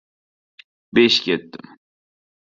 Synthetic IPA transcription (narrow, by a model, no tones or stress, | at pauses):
beʃkʲet̪ːɪm